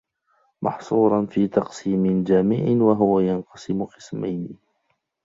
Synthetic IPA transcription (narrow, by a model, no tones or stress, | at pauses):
mʔɑ̰ħsˤuːɾˤɑnfiːt̪ɑqsiːmɪnd͡ʒaːmɪʕɪnwaɦʊwajanqɑsɪmʊqɨ̥sma̰jnɪ